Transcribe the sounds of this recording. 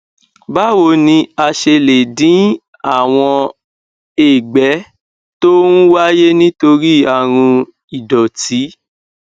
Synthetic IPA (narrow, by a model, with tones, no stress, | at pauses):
ba˦wo˧˨nĩ˧a˧ʃe˧le˨dĩ˨˦ | a˦˨w̃ɔ̃˧ | e˦˨ɡ͡bɛ˨˦ | to˦nũ˦wa˦je˦nĩ˦to˧ɾi˦a˦˨ɾ̃ũ˧ | i˨dɔ˨ti˨˦